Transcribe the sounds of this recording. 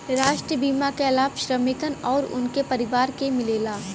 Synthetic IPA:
ɾaːʃʈɾəbiːmakeɐlaːʋʃɾəmɪkənɔːɾʊ̰nkepɐɾɪʋaːɾkemɪleːlaː

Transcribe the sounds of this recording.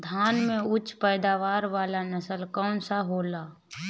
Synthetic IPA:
d̪ʱaːnmẽʊt͡ʃpɛːd̪aːʋaːɾʋaːlanəsəlkɔːnsaɦoːlaː

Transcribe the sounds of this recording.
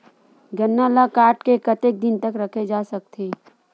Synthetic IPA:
ɡənːaːlakaːɾʈkekət̪ek̚d̪ɪnt̪əkɾɐkʰed͡ʒaːsɐk̚t̪ʰeː

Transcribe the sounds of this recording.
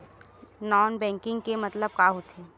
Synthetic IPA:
nɔːnbɛ̃ːŋkɪ̃ŋɡkemɐt̪ləb̚kaɦot̪ʰeː

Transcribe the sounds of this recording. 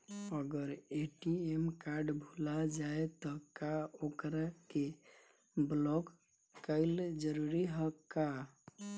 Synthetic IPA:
əɡəɾeʈiemkaɾɖbʱulad͡ʒaet̪ɔkaokɾake | blɔkː | əɪld͡ʒəɾuɾiɦəkːa

